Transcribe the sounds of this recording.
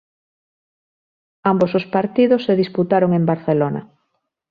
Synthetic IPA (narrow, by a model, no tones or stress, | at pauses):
ambosospaɾt̪iðosːeðisput̪aɾoŋembaɾθelonɐ̰